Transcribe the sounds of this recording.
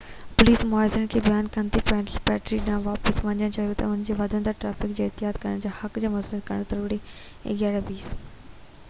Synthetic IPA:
pʊliːsmʊaːɪzəɽ̃kʰeːbjaːnkɐnt̪ipɛpɛːʈɾiɗɪnãʋaːpəsʋɐ̃ɲd͡ʑəɽ̃t͡ɕaːɦijot̪ɐ̰ʊnd͡ʑeːʋɐd̪ʱə̃nd̪əɾʈɾaːfɪkd͡ʑeːɪɦt̪ɪɦaːd̪kɐɾəɽ̃d͡ʑaːhɐkd͡ʑeːmʊsəd̪kɐɾə̃ɽ̃t̪ɐɾuːɽi | ḛɡaːɽebiːs

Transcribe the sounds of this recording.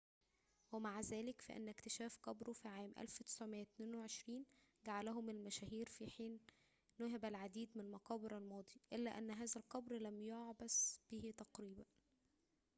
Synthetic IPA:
wæmaʕzæːlɪkfæ̰ʔḛnːækt̪eʃæːfqɑbɾofiʕaːmʔæ̰lfwet̪ɪ̥sʕomejːæt̪neːnweʕeʃɾiːnɡaʕalæɦʊmelmæʃæːhiːɾfiħiːnː | ʊɦæbælʕad̪iːd̪mɪnlmɑqɑːbeɾælmɑːd̪ˤiʔelːæʔænːɦæːzælqɑbɾlæmjoʕbæsb̥iːhit̪ɑqɾiːbæn

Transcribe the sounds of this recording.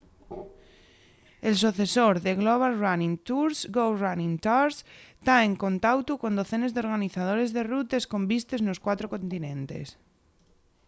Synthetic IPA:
els̬uθesoɾðeɣloβ̞alranĩŋt̪uɾsɡowranĩŋt̪aɾst̪aeŋkont̪awt̪ukond̪oθenezðeoɾɣaniθað̞oɾezðerut̪esko̞mbist̪eznoskwat̪ɾokõnt̪inẽnt̪ḛs

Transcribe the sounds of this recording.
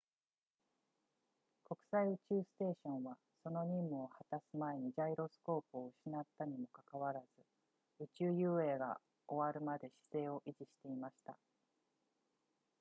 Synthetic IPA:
ko̞kɯ̟̥saiɯ̟t͡ɕɨːsɨ̥t̪e̞ːɕõ̞ɰ̃βa | so̞no̞ɲ̟ĩmːɯ̟o̞hat̪asɨmae̞ɲ̟id͡ʑaiɾo̞sɨ̥ko̞ːpɯ̟oɯ̟ɕinat̪ːaɲ̟imo̞kakaβaɾaz̥ɨ | ɯ̟t͡ɕɨːjɯːe̞ːɡa̰ | o̞βaɾɯ̟mad̪e̞ɕi̥se̞ːo̞ʔiʑiɕi̥t̪e̞imaɕi̥t̪a̰

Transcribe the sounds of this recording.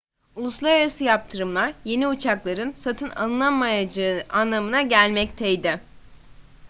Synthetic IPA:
ulˠuslˠaɾaɾasɯjap̚t̪ʰɯɾɯmlˠaɾje̞niut͡ʃʰaklˠaɾɯnsat̪ʰɯna̰lˠɯnˠamajad͡ʒanːamɯnaɟælʲmɛc̚t̪ʰɛjd̪ɪ

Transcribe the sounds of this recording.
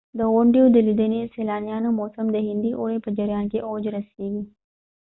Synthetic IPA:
d̪əoːɳɖijud̪əlɪd̪əniseːlaːnjaːnmoːsəmd̪ɐɦĩnd̪iʔoːepɐd͡ʒəɾjãːnkeːʔoːd͡ʒɾɐsiːd̪iː

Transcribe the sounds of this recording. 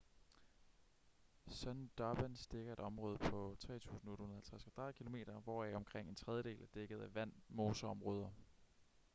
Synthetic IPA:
sɒnd̥ɑb̥ænsd̥e̝ɡ̥ɐe̝ɾ̥ɒ̽mʁɔ̽ːð̞ˠəpʰɒ̽t͡sʰʁɛ̰ːt͡sʰṵːsn̩oːɾ̥hunðɐhælt͡sʰʁasɡ̥ɑd̥ɑ̈ðˠkʰilo̝me̝̰ːɾ̥ɐʋɒæɒ̽mkʰʁeŋ̰e̝nt͡sʰʁɛð̞ˠjəd̥e̝̰ːlæd̥eɡ̥ð̞̩ˠæʋæn̰moːsɐɒ̽mʁɔ̽ːð̞ˠɐ

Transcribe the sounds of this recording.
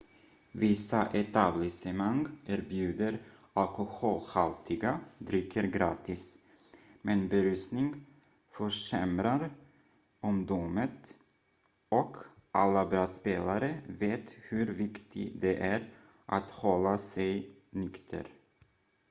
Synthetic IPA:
vɪsaʔɛt̪ablɪsɛmaŋʔæɾbjʉ̟ːd̪əɾ | alkʊhoːlhalt̪ʰɪɡad̪ɾʏkʰːəɾɡɾɑːt̪ɪs | mɛnbɛɾʉsnɪŋ | fœʂɛmɾaɾ | ɔmd̪umət̪ | ɔkʰʔalːabɾɑːspeːlaɾəveːt̪hʉɾvɪkt̪ʰɪd̪ɛʔæɾ | ʔat̪hɔlːasɛj | nʏkt̪ʰə̰ɾ

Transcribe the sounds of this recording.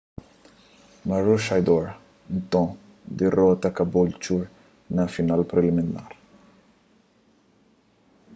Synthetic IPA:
mɐɾuʃajd̪ɔɾ | nt̪ɔ̃ | d̪iɾɔːt̪ɐkɐbult͡ʃuːɾ | nɐfjɔnaːlpɾɛlimina̰ːɾ

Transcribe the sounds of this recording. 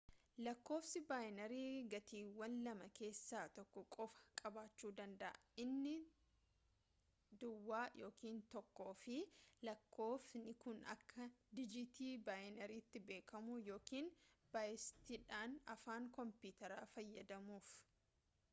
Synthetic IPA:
lɐkːo̞ːfsɪbaːjnɐɾiːɡɐt̪ʰiːwːɐnlɐmɐke̞ːsːaːt̪ɔkːɔkʼɔfɐ̥kʼɐbaːt͡ʃːuːd̪ɐnd̪ɐʔɐʔɪnːɪ | d̪ʊwːaːjo̞ːkiːnt̪ɔkːoːfɪlɐkʰːo̞ːfnɪkʊnɐ̰kʰːɐd̪ɪd͡ʒɪt̪iːbaːjnɐɾiːt̪ːɪbe̞ːkɐmujo̞ːkiːnb̥aːjɪst̪iᶑaːnɐfaːŋkɔmpuːt̪ɐɾaːfɐjːɐd̪ɐmuːf

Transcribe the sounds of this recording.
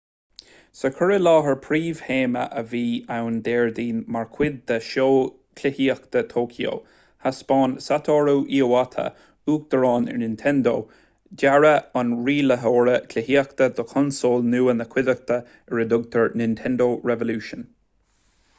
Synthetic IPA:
səkʰəɹəlɑːɦəɹpʰɾiːv̥heːmə̰ʔəviːawnd̪ɛːɹd̪iːnmaɹkʰw̥ɪd̪̚ːəʃoː | kʰlɪhiːəkt̪ət̪ʰoːkʰio̰ | haspɑːnsat̪ʰɔɹuːʔiːowat̪ʰə̰ | uːk̚d̪̥əɹɑːnɛ̰ɹnɪnt̪ʰɛnd̪oː | daɹəɑnɹiːləɦoːɹəkʰlɪhiːəkt̪əd̪ɔkʰɔnsoːlnuːənəkʰw̥ɪd̪ək̚t̪ə | ɛɹəd̪ʊɡ̚t̪ʰəɹnɪnt̪ʰɛnd̪oːɹɛvəluːʃən

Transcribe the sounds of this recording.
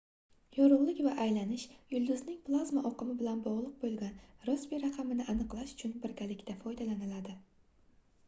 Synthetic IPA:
jɒɾʊʁlˠɪkʲvaʔajlanɪʃjʊlˠd̪ʊznɪŋplˠazmaʔɒqɨmɪbɪlanbɒʁlˠʊq̚bolˠɡʲanɾosbiɾaqʰɑmɪnɪʔanɨqlˠaʃʊ̥t͡ʃʰʊnbɪɾkʲalɪkʲt̪ʰafɒjd̪alanɪlad̪ɪ

